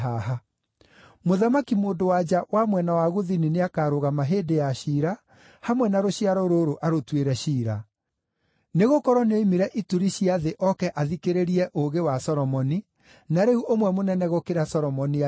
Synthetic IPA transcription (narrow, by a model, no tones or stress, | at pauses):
aɦa | moðamakimoːndowad͡ʑawamwɛnawaɣoðinineakaɾoɣamaɦeːdejaɕiːɾa | hamwɛnaɾoɕiaɾɔɾoɾoʔaɾotweɾɛɕiːɾa | neɣokɔɾɔneimiɾɛʔituɾiɕiaðeʔɔkɛʔaðikeɾeɾiɛʔoɣewasɔɾɔmɔni | naɾeuʔomwɛmonɛnɛɣokeɾasɔɾɔmɔni